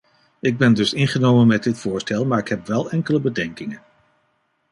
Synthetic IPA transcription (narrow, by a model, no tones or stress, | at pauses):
ɪɡ̚bɛndɵsɪnχənowmənmɛt̚dɪtfʊːɹstɛlˠmaːɹɪkɦɛpʋɛlˠɛŋkələbədɛŋkɪŋən